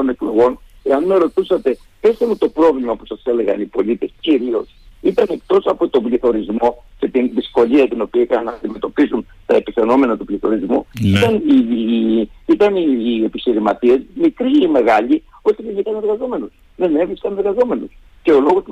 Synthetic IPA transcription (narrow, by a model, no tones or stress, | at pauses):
onekleɣo̞n | e̞ɐnmeɾo̞t̪usɐt̪e̞ | pest̪emut̪o̞pɾo̞vlimɐpu̥sɐse̞le̞ɣɐ̰nipo̞lit̪e̞sciɾio̞sit̪ɐne̞k̚t̪o̞sɐpot̪o̞bliθo̞ɾizmo̞ | ce̞t̪inðisko̞liɐt̪ino̞piɐikɐnɐnɐːnd̪ime̞t̪o̞pisun | t̪ɐepiθe̞no̞me̞nɐt̪upliθo̞̰ɾizmuit̪ɐni | it̪ɐniepiçiɾimɐt̪iezmikɾiːme̞ɣɐʎi | o̞t̪ivʝikɐne̞ɾɣɐzo̞me̞nus | ðe̞ne̞vɾiskɐne̞ɾɣɐzo̞me̞nus | ce̞o̞lo̞ɣos